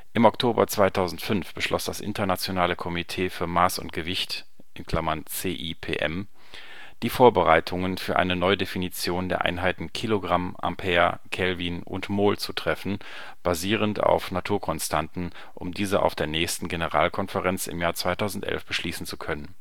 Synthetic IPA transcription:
ʔɪmɔktʰoːbɐ̰t͡sv̥aɪtʰaʊzn̩tfʏnfb̥əʃlʔɔ̰sd̥asʔɪ̰ntɐnat͡sjonaːləkʰɔmitʰeːfyːɐmaːsʊ̰ntɡ̥əvɪçt | ʔɪnkʰl̥amɐnt͡seːʔipʰḛːʔɛ̰m | d̥iːfoːɐbəʁaɪtʰʊŋənfyːɐʔa̰ɪnənɔʏədefinit͡sjoːndeːɐʔa̰ɪnɦaɪtn̩kʰiloɡʁamʔa̰mpʰɛːɐkʰɛlviːnʔʊ̰ntmoːlt͡sutʁ̥ɛfn̩ | b̥aziːʁ̞ənta̰ʊfnatʰuːɐkʰɔnstʰantn̩ | ʔʊ̰mdiːzəʔa̰ʊfd̥eːɐnɛːçstn̩ɡenəʁa̰ːlkʰɔnfəʁɛnt͡sɪ̰mjaːɐt͡sv̥aɪtʰaʊzn̩tʔɛ̰lfb̥əʃliːsn̩t͡su̥kʰœnən

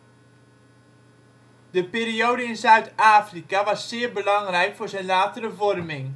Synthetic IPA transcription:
dəpɪːɾiowdəɪnzœɥtaːfrikaʋɑsːɪːɹbəlɑŋrɛjkfʊːɹzɛjnlaːtərəvɔrmɪŋ

